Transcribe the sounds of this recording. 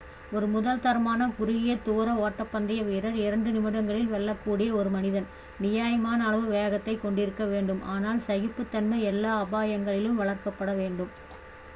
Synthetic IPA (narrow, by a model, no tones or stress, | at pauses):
ɔɾɯmʊðɐlt̪ɐɾmaːnɐkʊɾɪɣɪjɐt̪oːɾɐoːʈːɐpːɐnd̪ɐjɐʋeːɾɐɾɪɾɐɳɖɯnɪmɪɽɐŋɡɐɭɪlʋɛɭːɐkːuːɽɪjɐɔɾɯmɐnɪðɐn | nɪjaːjɐmaːnɐːɭɐʋɯʋejɣɐt̪ːɐɪkːɔɳɖɪɾɯkːɐʋeːɳɖɯmʔaːnaːlsɐɣɪpːɯt̪ːɐnmɐɛlːaːɐbaːjɐŋɡɐɭɪlɯmʋɐɭɐɾkɐpːɐɽɐʋeːɳɖɯm